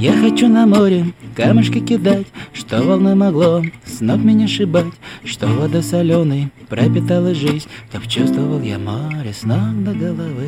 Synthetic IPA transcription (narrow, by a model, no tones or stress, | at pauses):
jaxɐt͡ɕunɐmoɾʲɪkamɨʂkəkʲɪd̪atʲʂt̪ovɐlˠnɨmɐɡlˠosnokmʲɪnʲɛʂɨbatʲʂt̪ovɐd̪ɔsɐlʲonɨjpɾəpʲɪt̪alˠəʐɨzʲnʲt̪opt͡ɕust̪vəvəlˠja̰moɾʲɪsnokd̪əɡəlˠɐvɨ